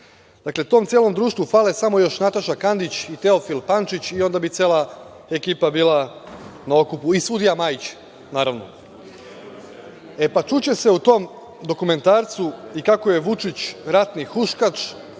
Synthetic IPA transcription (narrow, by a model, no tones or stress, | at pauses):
d̪̥akle̞t̪o̞ːmt̪sjeːlo̞md̪ɾuːʃt̪ʋufaːle̞samo̞jo̞ʃnat̪aʃakand̪it͡ɕit̪e̞ofilpant͡ʃit͡ɕio̞nd̪abit̪seːlˠa | e̞kiːpabiːlˠanaokupuisud̪ijamajit͡ɕ | naːɾaʋno̞̰ | e̞pat͡ʃut͡ɕe̞se̞ut̪o̞m | d̪o̞kume̞nt̪aːɾt̪suikakoje̞ʋut͡ʃit͡ɕɾat̪nixuʃkat͡ʃ